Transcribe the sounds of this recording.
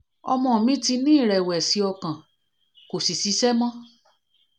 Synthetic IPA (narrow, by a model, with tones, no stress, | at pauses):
ɔ̰˧mɔ̃˦˨mĩ˦ti˧nĩ˦˨ɾɛ˨wɛ˨si˧ɔ˧kã˨ | ko˨si˨si˨˧˦ʃɛ˦mɔ̃˦